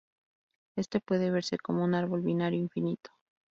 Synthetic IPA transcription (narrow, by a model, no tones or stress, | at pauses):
e̞st̪e̞pwe̞ð̞e̞β̞e̞ɾse̞ko̞mounaɾβo̞lβinaɾjoiɱfinit̪o̥